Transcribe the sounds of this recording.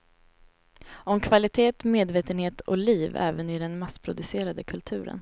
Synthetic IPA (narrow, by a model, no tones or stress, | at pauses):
ɔmkʰvalɪt̪ʰeːt̪meːd̪veːt̪ənheːt̪ɔ̰liːvɛ̰ːvənɪd̪ɛnmasːpʰɾʊd̪ɵseːɾad̪əkʰɵlt̪ʰʉ̟ːɾə̰n